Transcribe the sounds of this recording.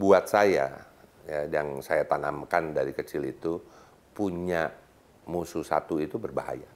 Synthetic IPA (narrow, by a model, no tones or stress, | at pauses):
buat̪̚saja̰ | jajaŋsajat̪anamkandaɾikət͡ʃɪlit̪u | puɲa | mususa̰t̪uit̪ubərbaɦa̰ja